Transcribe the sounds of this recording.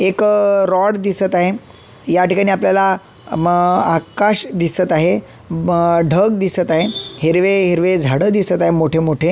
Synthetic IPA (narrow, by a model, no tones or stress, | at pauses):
ekɾɔɽd̪isət̪aɦe | jaʈikaɽ̃iːapljala | akaɕd̪isət̪aɦe | ɖʱəɡ̚d̪isət̪aɦeɦiɾʋeɦiɾʋed͡zʱaɽəd̪isət̪aɦemoʈʰemoʈʰe